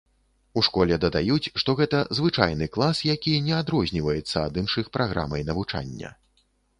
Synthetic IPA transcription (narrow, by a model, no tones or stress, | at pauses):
uʂkɔlʲɛd̪ɐd̪ajut͡sʲʂt̪ɔɣɛt̪ɐzvɨt͡ʂa̰jnɨklˠasjakʲinʲɛad̪ɾɔzʲnʲivɐjɛt̪sːɐad̪ɨnʂɨxpɾaɣɾa̰mɐjnɐvut͡ʂa̰nʲːɐ̰